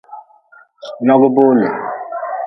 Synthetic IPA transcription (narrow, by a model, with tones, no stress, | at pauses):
nɔ˦ɡʊ˦bʊ˦ɲḛ˨